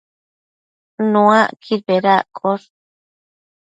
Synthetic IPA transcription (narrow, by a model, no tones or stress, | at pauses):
nũãkʰiɾbeɾakʼoɾ